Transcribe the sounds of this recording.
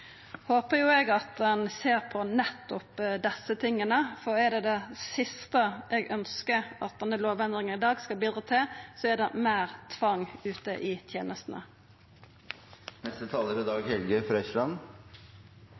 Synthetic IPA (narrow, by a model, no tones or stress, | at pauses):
hoːpəjʊɛɡɑt̪̚d̪ɛnseːʁpʰɔnɛt̪ːɔpd̪ɛsːət̪ʰɪŋːənəfɔɾɛɖ̪ɛd̪ɛsɪst̪əʔɛɡœnskəɾɑ̰t̪̚d̪ɛnəloːʋɛnd̪ɾɪŋənɪd̪ɑːɡskɑlbiːd̪ɾət̪ʰɪlsɔɛɖ̪ɛmæːɾt̪ʰʋɑŋʉːt̪əʔɪt̪ʰjeːnəst̪n̩ə̰ | nɛst̪ət̪ʰɑːləɾɪd̪ɑːɡhɛlɡəfɾœçlɑn